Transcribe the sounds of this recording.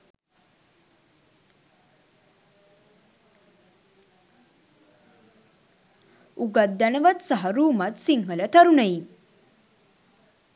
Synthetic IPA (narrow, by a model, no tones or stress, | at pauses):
uɡad̪ːanəʋat̪sɐɦɐɾuːmat̪siŋɦələt̪ʰɐɾunəi